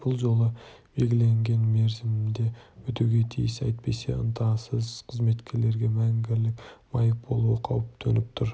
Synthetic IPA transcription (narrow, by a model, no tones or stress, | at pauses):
b̥ʊlˠʒo̞lˠəb̥e̞lɡʲɪle̞ŋɡʲe̞nme̞ɾzɪmɪmd̪e̞wɵt̪uɡʲe̞t̪ʰḭjɪsɑ̰jt̪̚pe̞̰se̞̰ʔə̰nt̪ʰɑsəzqʰəzme̞t̪kʲe̞ɾle̞ɾɡʲe̞mæŋɡʲɪɾlɪkmɑjək̚b̥o̞̰lˠuəqʰɑwəp̚t̪ʰenɪp̚t̪ʰʊɾ